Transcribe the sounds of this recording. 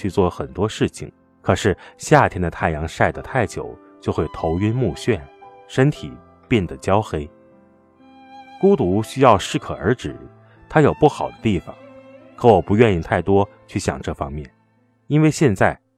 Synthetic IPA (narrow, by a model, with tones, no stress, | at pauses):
t͡ɕʰy˥˧t͡swɔ˥˩xə˨˩nt̪wɔ˥ʂɻ̩˥˩t͡ɕʰḭ˩ŋ | kʰɤ˨˩ʂɻ̩˥˧ɕja˥˩t̪ʰjɛ˥nd̪ə˨˧t̪ʰa˥˩ɪjɑ˧˥ŋʂa˥˩ɪd̪ə˩t̪ʰa˥˩ɪt͡ɕjo̰˨˩˦ʊ | t͡ɕjo˥˧ʊxwe˥˩ɪt̪ʰo˧˥ʊy˥nmu˥˧ɕɥɛ˥˩nʂə˥nt̪ʰḭ˨˩˦ | pjɛ˥˩nd̪ə˩t͡ɕjɑ˥ʊxe˥ɪ | ku˥t̪u˧˥ɕy˥jɑ˥˧ʊʂɻ̩˥˩kʰɤ˨˩ə̰˞˧˥ʈ͡ʂɻ̩˨˩˦ | t̪ʰa˥jo˨˩ʊpu˥˩xɑ˨˩ʊd̪ə˦t̪i˥˩fɑ̰˩ŋ | kʰɤ˧˥wɔ˨˩pu˧˥ɥɛ˥˧ni˥˩t̪ʰa˥˩ɪt̪wɔ˥ | t͡ɕʰy˥˩ɕjɑ̰˨˩ŋʈ͡ʂɤ˥˩fɑ˥ŋmjɛ˥˩n | i˥nwe˥˧ɪɕjɛ˥˧nt͡sa˥˩ɪ